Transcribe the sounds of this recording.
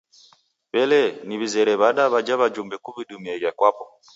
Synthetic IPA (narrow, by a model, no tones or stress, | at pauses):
bɛlɛniβizɛɾɛβaɗaβad͡ʒaβad͡ʒumbɛkuβiɗumiɛɣakwapɔ